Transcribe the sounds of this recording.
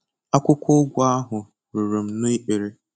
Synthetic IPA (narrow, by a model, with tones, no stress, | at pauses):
a˦kʷʊ˦kʷʰʊ˦ʊ˦ɡʷʊ˦a˦ɦʊ˨ | ɾu˨ɾo˨m̩˨nʊ˦i˦k͡pe˨ɾe˦